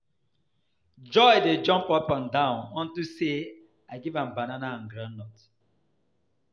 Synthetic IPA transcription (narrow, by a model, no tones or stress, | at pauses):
d͡ʒɔɪded͡ʒɔ̃mpɔpãndãʊ̃nɔ̃ntuse | aɪɡivãmbananãn̩ɡɾãnːɔt